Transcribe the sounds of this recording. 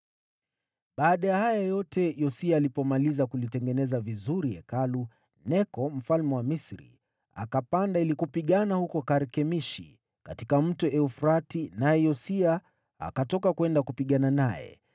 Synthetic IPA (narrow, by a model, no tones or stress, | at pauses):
ɓaːɗajahajajɔtɛjɔsiaːlipɔmalizakulitɛŋɡɛnɛzavizuɾiɛ̰kalu | nɛkɔm̩falmɛwamisɾḭ | a̰kapandailikupiɠanahukɔkaɾkɛmiʃḭ | katikam̩tɔɛufɾatinajɛjɔsia | a̰katɔkakwɛndakupiɠananajɛ̰